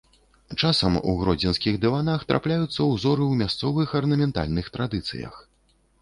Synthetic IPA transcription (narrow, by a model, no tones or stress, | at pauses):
t͡ʂasɐmṵɣɾɔd͡zʲɛnskʲiɣd̪ɛvanaxt̪ɾʔa̰plʲajut̪sːɐwzɔɾɨwmʲast̪sɔvɨxɐrnɐmʲɛnt̪a̰lʲnɨxt̪ɾad̪ɨt̪sɨ̰jɐ̰x